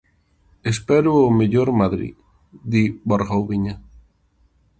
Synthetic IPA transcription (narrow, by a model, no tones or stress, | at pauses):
espɛɾʊːmeʎoɾmaðɾḭ | ðiboɾɣowβiɲa